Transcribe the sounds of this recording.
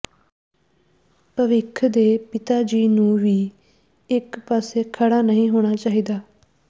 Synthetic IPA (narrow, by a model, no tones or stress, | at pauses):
pəʋɪkʰd̪eːpɪt̪aːd͡ʒiːnũːʋiː | ɪkpaːseːkʰəɽaːnəɦĩːɦoːɽ̃aːt͡ʃaːɦiːd̪aː